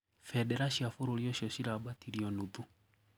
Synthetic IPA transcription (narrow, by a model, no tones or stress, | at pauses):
fɛɗɛɾaʃiafoɾoɾiɔʃiɔʃiɾabatiɾiɔnuðu